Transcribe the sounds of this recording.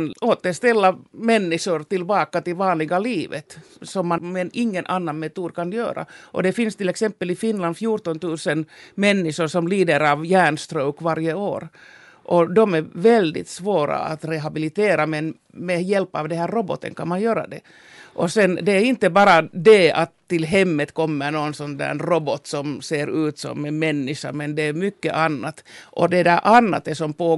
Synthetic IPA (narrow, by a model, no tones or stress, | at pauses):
noːt̪əʂt̪ɛlːamɛnːɪʂʊɾt̪ɪlbɑːkat̪ɪlvɑːnlɪɡaliːvə̰t̪sɔmːamɛnɪŋːənʔanːanmɛt̪uːd̪kʰanjø̰ːɾa̰ʔɔ̰d̪ɛfɪnst̪ɪlːɛksɛmpːəlɪfɪnland̪fjuːʈɔnt̪ʉːsənmɛnːɪʂʊɾʂɔmliːd̪əɾɑvjæːɳst̪ɾœʊkvaɾjəo̰ːɾ | ʔɔd̪ɔmæɾvɛld̪ɪ̰t̪svoːɾa̰a̰t̪ɾɛɦabɪlɪt̪eːɾamɛn | mɛjɛlpːɑːvd̪ɛhæːɾːɔbɔ̰t̪ʰːə̰nkʰanmanjøːɾa̰d̪ɛ̰ | ʔɔsɛnd̪ɛæɾɪnt̪əbɑːɾad̪ɛat̪ʰːɪlɦɛmːət̪kʰɔmːəɾɳɔnsɔnd̪æ̰ːnrɔbɔt̪sɔmseːɾʉ̟ːt̪sɔ̰mːɛmɛnːɪʂa̰ɾmɛnd̪ɛːmʏkːə̰ʔanːat̪ʔɔd̪ɛd̪æʔanːa̰t̪ɛsɔmpoː